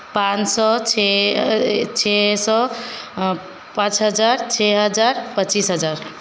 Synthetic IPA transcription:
pãsɔt͡ʃʰɛ | t͡ʃʰesɔ | pãt͡ʃɦəd͡ʒaɾt͡ʃʰɛɦəd͡ʒaɾpət͡ʃisɦəd͡ʒaɾ

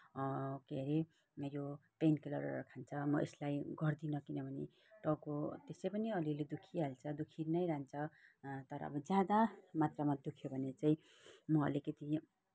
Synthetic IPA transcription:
keɾe | mejopenkʌlʌrkʰant͡sʰʌmʌʔḛslajɡʌrd̪inʌkinʌbʱʌnḛ | ʈʌkot̪esejpʌniʌliled̪ukʰiɦalt͡sʰʌd̪ukʰinʌjɾant͡sʰʌt̪ʌɾʌ̰ʌ̰bʌd͡zjad̪amat̪ramad̪ukʰjobʱʌnet͡saĩ | mʌʌ̰likʌt̪i

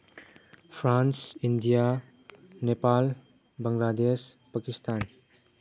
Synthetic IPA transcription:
pʰɾansindija | nepal | bɐŋladespakistʰan

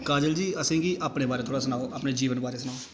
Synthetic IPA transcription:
kaːd͡ʒəld͡ʒiːəsĩːɡiːaːpɽeːbaːɾeːt̪ʰoːɽaːs̬ənaːoːʔapneːd͡ʒiːʋənbaːɾeːsənaːoː

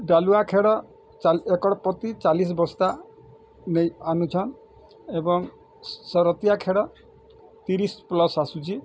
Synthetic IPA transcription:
ɖaluakʰeɽɔ | aekɔɽɔpɔt̪it͡ʃalis̬bɔst̪a | nejanut͡ʃʰɔn | ebɔŋ | sɔɾɔt̪ijakʰeɽɔ | t̪iɾisplɔsasut͡ʃʰi

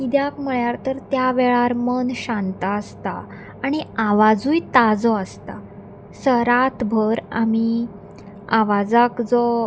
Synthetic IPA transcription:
id̪jakm̤əɭjaɾt̪əɾt̪jaʋɛɭaɾmənɕant̪aəst̪a̰ː | ɽ̃iaʋad͡zujt̪ad͡zɔəst̪a̰ | səɾat̪bʱəɾa̰mi | aʋad͡zakd͡zɔ

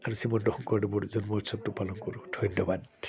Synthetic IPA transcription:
aɾusimɔnɖɔhɔŋkɔɖibɔɽud͡ʒɔnmɔut̪sɔb̚ʈupalɔŋkɔɾuʈʰɔindɔbad

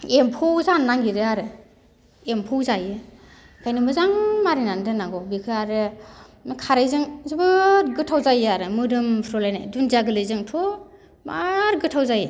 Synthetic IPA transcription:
empʰɯwzanːaŋɡiɾɯaɾɯ | empʰɯwzajɯ | kʰajnɯmɯzaŋmaɾinandɯnaŋɡɔbikʰɯaɾɯnkʰaɾajzɯŋzɯbɯɡɯtʰawzajaɾɯmɯdɯmpʰɾɔlajnajdunzaɡɯlɯjzɯŋtʰɔ | maɾɡɯtʰawzajɯ

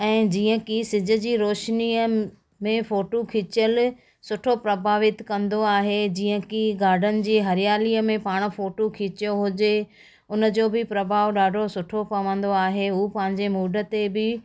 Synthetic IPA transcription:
ɛ̃ːd͡ʑiːə̃kisɪd͡ʑʱʊ̆d͡ʑiːɾoːʃniə | mẽfoːʈokʰiːt͡ɕəl | sʊʈʰopɾɐbʱaːʋɪt̪kɐ̃nd̪oaːɦed͡ʑiːə̃kiɡaːɾɖʱənɪ̆d͡ʑiːɦɐɾjaːliːəmẽpaːɽ̃̆foːʈokʰiːt͡ɕjoɦʊd͡ʑe | ʊnə̆d͡ʑoːbɪpɾɐbʱaːʋɗaːɖʱosʊʈʰopɐʋə̃n̆d̪oaːɦeuːpɐ̃ɦɪ̃ɲd͡ʑemuːɖʱə̆t̪ebɪ

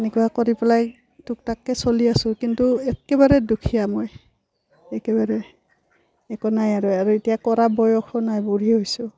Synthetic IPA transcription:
enɛkuwakoɹipɛlaj | tʊk̚takːɛsoliasʊ̃kintuɛkɛbaɹɛdukʰijamɔj | ɛkɛbaɹɛ | ɛkɔnajaɹuaɹuetijakɔɹabɔjɔxʰɔnajbuɹiɦojsʊ

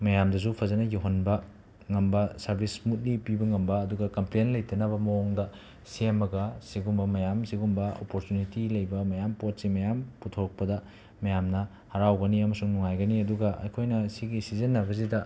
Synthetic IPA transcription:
mɐjamdɐs̬upʰɐzɐnɐjuɦɐnbɐ | ŋɐmbɐsɐɾbʱismut̚lipibɐŋɐmbɐːduɡɐkɐmplenlɐjtɐnɐβɐmɐoŋdɐ | semɐɡɐsiɡumbɐmɐjamsiɡumbɐo̰poɾtunitilɐjbɐmɐjampot̚simɐjamputʰok̚pɐdɐ | mɐjamnɐ | hɐɾawɡɐniɐmɐsuŋnuŋajɡɐniɐduɡɐʔɐ̰jkʰojnɐsiɡisizenːɐbɐs̬idɐ

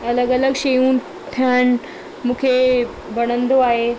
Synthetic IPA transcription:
ɐləɡələɡʃejũn | t̪ʰjan | mũːkʰe | ʋɐɽ̃ənd̪oaːɦe

